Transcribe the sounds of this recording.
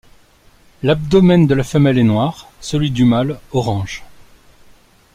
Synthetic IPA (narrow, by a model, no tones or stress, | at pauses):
lab̚d̪ɔmɛnd̪əlafəmɛlɛnwaʁsəlɥid̪ymalɔʁɑ̃ʒ